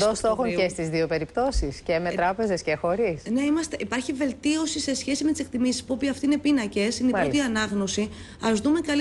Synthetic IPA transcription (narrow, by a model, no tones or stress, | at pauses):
ost̪oxoɲcest̪izðio̞pe̞ɾipt̪o̞siscemet̪ɾɐpe̞zescexo̞ɾisne̞imɐst̪e̞ʔipɐɾçive̞lt̪io̞sise̞sçe̞simet̪ise̞k̚t̪imisi̥spuopiɐft̪iine̞pinɐce̞sineiot̪iɐnɐɣno̞si | ɐzðume̞kɐl